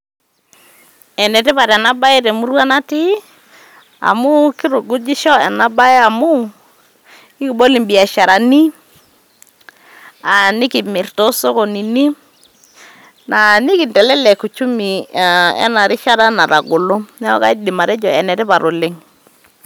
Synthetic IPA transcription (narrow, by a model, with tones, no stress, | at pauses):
ɛ˨nɛ˨tɪ˦pa˨ɾɛ˨na˦ba˦ɪ˦tɛ˨mu˦ɾwa˦na˦ti˦ | a̰˨mʊ˦kɪ˦ɾʊ˨ɡʊ˦d͡ʒi˦ʃɔ˦ɛ˨na˦ba˦e˦a˨mu˦ | i˦ki˨bo˦li˨mbi˨a˨ʃa˨ɾa˨ni˦ | a˨nɪ˦ki˨mɪ˨rto˦so˦ko˨ni˨ni˦ | na˨nɪ˦kɪ˨ntɛ˨lɛ˦lɛ˨ku˨t͡ʃu˦mi˨ɛ̰˦na˨ɾɪ˦ʃa˦ɾa˦na˨ɾa˨ɡo˨lo˦nɛ˦ɔ̰˦ka˦i˦dɪ˨ma˨ɾɛ˦d͡ʒɔ˨ɛ˨nɛ˨tɪ˦pa˨ɾʔo˨lɪ˦ŋ